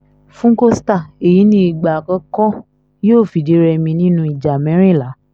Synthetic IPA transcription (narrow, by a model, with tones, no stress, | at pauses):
fũ˦ŋ̩˦ko˦sta˦˨e˨ji˨˦nĩ˦i˨ɡ͡ba˨kã˧˦kɔ˦ | joː˦˨fi˨de˨˦ɾɛ˧mĩ˧nĩ˦nũ˧˦i˨d͡ʒa˨mɛ̃˨˦ɾ̃ĩ˦˨la˨˦